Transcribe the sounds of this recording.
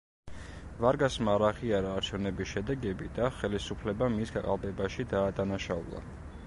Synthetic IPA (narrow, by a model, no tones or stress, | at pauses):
vaɾɡasmaɾaʁiaɾaːɾt͡ʃʰɛvnɛbisʃɛd̪ɛɡɛbid̪aχɛlisupʰlɛbamisɡaqʼa̰lˠb̪ɛbaʃid̪aːd̪anaʃaṵlˠa̰